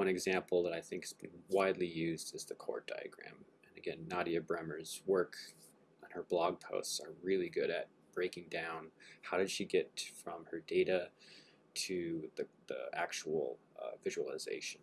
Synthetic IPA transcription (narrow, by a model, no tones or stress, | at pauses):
wʌ̃ñɨɡzæ̃mpʰl̩ˠðəɾaɪθɪ̃ŋkhz̥b̥ɨ̃n̩waɪdˡlijʉzdɨzðɨkʰɔ̰ɹt̚d̥a̰ɪɨ̰ɡ̥ɹæ̰̃m | ɨ̃nɨɡɛ̃nːɑɾiɨbɹɛmə˞z̥wɜ˞k | ʔə̃n̩ə˞blɔɡ̚pʰoʊstsə˞ɹɪlˠiɡʊɾɨt̚b̥ɹeɪkɪ̃ŋdãʊ̃nhaʊɾɨd̥ʃiɡɛtfɹʌ̃mə˞deɪɾɨ | tʰɨððḭæk̚t͡ʃəl̩ˠ | ʌ̰vɪʒl̩ˠə̰zḛɪʃɨ̃n̩